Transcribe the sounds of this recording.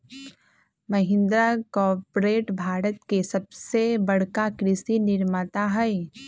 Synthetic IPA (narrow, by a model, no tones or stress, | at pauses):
mɐɦɪ̃nd̪ɾakɔːɾpɾeːʈbʱaːɾət̪kesɐbsebɐɽ̤kakɾɪsinɪɾmat̪aɦɛe